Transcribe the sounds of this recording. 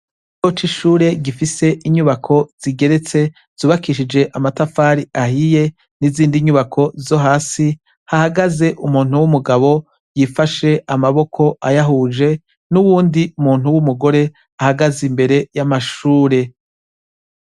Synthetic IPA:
ijot͡ʃiʃuːɾe̞ɡifise̞ʔiɲuβakʰo̞z̥iɡe̞ɾe̞t͡se̞ | z̥uːβakiʃid͡ʒe̞ʔamatafaːɾiʔahije̞ | niziːndiɲuβakʰo̞zo̞ɦaːsi | hahaɡaze̞ʔumuːn̥uwumuɡaβo̞ | jifaʃe̞ʔamaβo̞kʰo̞ʔajaɦuːd͡ʒe̞ | nuβuːndiumuːn̥huwumuɡo̞ɾe̞ | ahaɡazimbe̞ɾe̞jamaʃuːɾe̞

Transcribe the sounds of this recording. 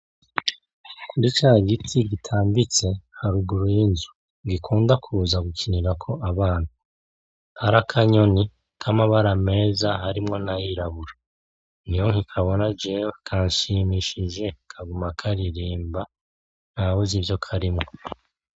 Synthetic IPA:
kuɾit͡ʃaːɡitʰiɡitʰaːmbit͡se̞haɾuɡuɾujinzu | ɡikʰuːndakʰuzaɡucʰiniɾakʰo̞ʔaβaːna | haɾakʰaɲo̞ni | kʰamaβaɾame̞ːzaɦaɾimŋo̞najiɾaβuɾa | nijoŋikʰaβo̞nad͡ʒeβakʰaːɲʃimiʃiʒe̞kʰaɡumakʰaɾiɾiːmba | nawuzivjo̞kʰaɾimŋo

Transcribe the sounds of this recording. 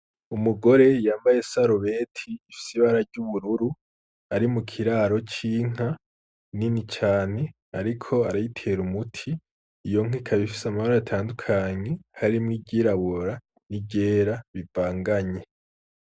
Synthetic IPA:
umuɡo̞ɾe̞jaːmbaje̞saɾoβetʰiːfi̥siβaɾaɾɟuβuɾuɾu | aɾimukʰiɾaːɾo̞t͡ʃiːŋ̥a | ninit͡ʃaːn̥e̞ | aɾikʰo̞aɾajitʰe̞ɾumutʰiː | jo̞ŋ̥ikʰaβifi̥samaβaɾoatʰaːndukʰaɲe̞haɾimŋibɟiɾaβoɾa | nibɟe̞ːɾaβivaːŋɡaɲe̞

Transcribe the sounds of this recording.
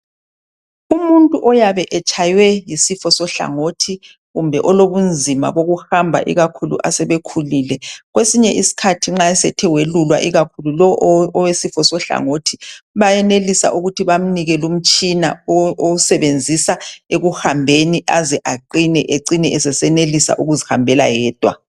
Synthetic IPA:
umuntʼuʔɔjaβɛʔɛt͡ʃʰʼajwɛjisifɔsɔɬa̰ŋotʰi | ɣumbʱɛʔɔloβund͡zʱima̰βoɣuhambʱa̰ʔḭɣakʰulṵʔasɛβekʰuliːlɛɣwesiɲɛʔisi̥kʰatʰiŋ͡ǁaɛsɛtʰɛwelulwa̰ʔiɣakʰululɔʔɔwesifɔsɔɬa̰ŋoːtʰiβajɛnelisa̰ʔuɣutʰiβam̩niɣɛlum̩t͡ʃʼina̰ousɛβend͡zʱisaeɣuhambʱeniʔazɛʔaǃinɛʔeǀinɛɛsɛsɛnelisa̰ʔuɣuzihambʱɛla̰jɛːd̥ʱwa̰

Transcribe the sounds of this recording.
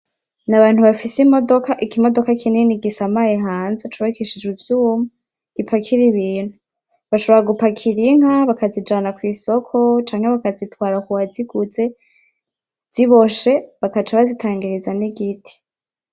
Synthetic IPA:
naβaːnhuβafisimodokaʔikimo̞do̞kakʰininiɡisamajeɦaːnzet͡ʃuβakeʃid͡ʒuvjumu | ɡipʰakʰiɾiβiːn̥hu | βaʃo̞βoɾaɡupakʰiɾiŋ̥haβakazid͡ʒaːnakwiːso̞kʰo̞t͡ʃaːŋhe̞βakazitwaːɾakuwaziɡ̥uze̞ | z̥iβo̞ʃe̞βakat͡ʃaβazitʰaːŋɡiɾizaniɡitʰi̥

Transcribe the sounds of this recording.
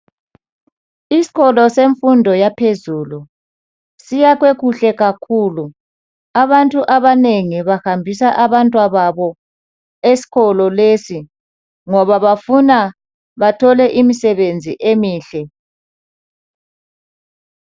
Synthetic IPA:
isi̥ɣɔlɔseɱfundʱɔjapʰezuːlu | sijaɣweɣuɬɛɣakʰuːlu | aβantʼuʔaβaneŋiβahambʱisaʔaβantʼwaβaβɔ | esi̥ɣɔlɔleːsi | ŋɔβaβafuna | βatʰɔlɛʔimisɛβend͡zʱiʔemiːɬɛ

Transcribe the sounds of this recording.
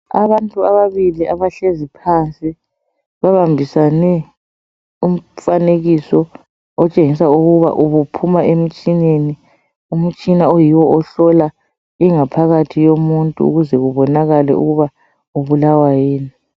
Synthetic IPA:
a̰βantʼuaβaβiliʔaβaɬezipʰant͡sʼi | βaβambʱisanɛ | um̩faneɣisɔ | ɔt͡ʃʼeŋis̬auɣuβa̰ʔuβupʰumaʔem̩t͡ʃʼineni | um̩t͡ʃʼinaojiwɔɔɬɔla | iŋapʰaɣatʰijomuntʼṵːɣuzɛɣuβɔnaɣalɛ̰ṵɣuβa | uβulawajeːni

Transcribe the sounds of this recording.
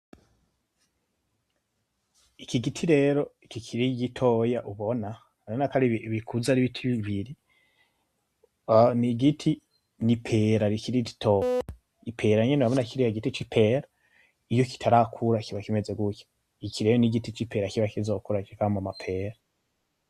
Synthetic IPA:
ikiɡitʰiɾe̞ːɾo̞ikikʰiɾiɡitʰojaʔuβo̞na | aonakaɾiββikʰuzaɾiβitʰiβiβiɾi | niɡitʰi | nipʰeɾaɾikiɾiɟi̥tʰoja | ipʰe̞ɾaɲeneaβonakiɾijaɡitit͡ʃipʰe̞ɾa | ijo̞ki̥tʰaɾakʰuɾakiβakime̞ze̞ɡuco̥ | ikiɾejoniɡitit͡ʃipʰe̞ɾakiβakizo̞kuɾakikamamapʰe̞ːɾa

